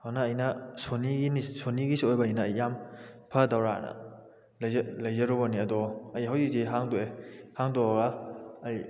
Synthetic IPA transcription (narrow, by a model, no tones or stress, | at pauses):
hawnɐːjnɐsoniɡinisoniɡisiojbɐɐjnɐːjːampʰɐdawɾanɐ̰ | lɐzlɐjzɐɾɔbɐniɐdɔɐjɦawzik̚ziɦaŋdoehaŋdɔaɡɐːj